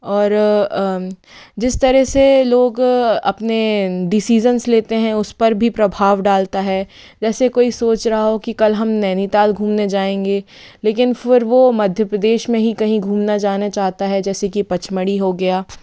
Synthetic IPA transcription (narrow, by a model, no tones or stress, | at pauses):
ɔːɾ | d͡ʒɪst̪ɐɾɛseloːɡɐ̰pneɖɪsiːd͡ʒənsleːt̪eɦɛ̃ʊspɐɾbʱipɾɐbʱaːʋɖaːlt̪aɦɛː | d͡ʒɛːsekoːisoːt͡ʃɾɐɦaɦokikɐlɦɐmnɛːnit̪aːlɡʱũːmned͡ʒaːẽːŋɡeː | leːkɪnfɪɾʋomɐd̪ʱjəpɾɐd̪eːʃmẽɦĩkɐɦĩɡʱũːmnad͡ʒaːɦnat͡ʃaːɦt̪aɦɛd͡ʒɛːsekipɐt͡ʃməɽiɦoɡɐjaː